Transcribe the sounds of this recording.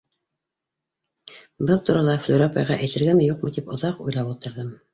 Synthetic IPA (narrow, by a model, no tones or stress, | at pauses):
bɤlˠt̪uɾɑlˠɑflʲoɾapa̰jʁɑʔæjt̪ɘ̆ɾɡæmɘjuqmɤ̆t̪ipŏðɑqṵjlˠɑpulˠt̪ɤ̆ɾðɤm